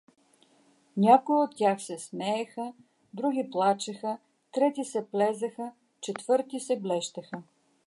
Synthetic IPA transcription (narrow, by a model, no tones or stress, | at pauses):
nʲakoiot̪ːʲjaxsɛsmɛːxə | d̪ɾuɡ̟ʲiplˠat͡ʃɛxə | t̪ɾɛt̪isɛplɛzɐxə | t͡ʃɛt̪vɤɾt̪isɛblɛʃt̪ɐxə